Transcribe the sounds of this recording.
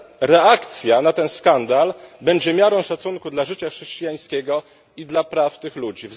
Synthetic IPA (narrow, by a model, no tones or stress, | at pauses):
ɾɛakt̪sʲjanat̪ɛnskand̪albɛɲd͡ʑɛmʲjaɾɔ̃w̃ʂat̪suŋkud̪laʐɘt͡ɕaxʂɛɕt͡ɕijaj̃skʲɛɡɔ | id̪lapɾaft̪ɘxlud͡ʑiv